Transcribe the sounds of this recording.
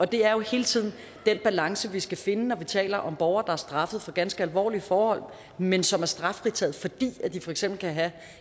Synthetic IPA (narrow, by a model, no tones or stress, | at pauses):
ɒ̽d̥e̝æɐjo̝he̝ːlət͡sʰið̰ˠn̩ | d̥enb̥ælɑ̈ŋsəʋisɡ̥æfe̝nənɒʋit͡sʰɛ̰ːlɐʔɒ̽mb̥ɒʊɐːd̥ɑ̈æɐsd̥ʁɑ̈fəð̩ˠfɒɡ̥ænsɡ̥əælʋɒ̰ːliəfɒːhɒ̽l̰ | mensɒ̽mæɐsd̥ʁɑ̈fʁit͡sʰɛ̰ːð̩ˠfɒ̽d̥ḭːæd̥ifɒ̽eɡ̥semb̥l̩kʰæɦæ